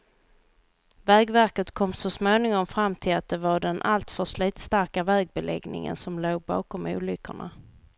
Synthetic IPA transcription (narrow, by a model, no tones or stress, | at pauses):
vɛːɡvæɾkət̪kʰɔmːsɔsmoːnɪŋɔmfɾamːt̪ʰɪlat̪̚d̪ɛvaɖɛnʔalt̪fœʂliːt̪st̪aɾkavɛːɡ̚bɛlɛ̰ɡnɪ̰ŋə̰nsɔmloːɡ̚bɑ̰ːkɔmṵːlʏkːə̰ɳa̰